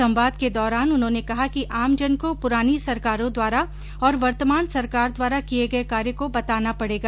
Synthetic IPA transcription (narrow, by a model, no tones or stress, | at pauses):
ɐ̃mʋaːd̪ked̪ɔːɾaːnʊnɦõːnekɐɦakiʔaːmd͡ʒɐnkopʊɾaːnisɐɾkaːɾõd̪waːɾa | ɔːɾʋɐɾt̪əmaːnsɐɾkaːɾd̪waːɾakieɡɐekaːɾjəkobɐt̪aːnapɐɽeːɡaː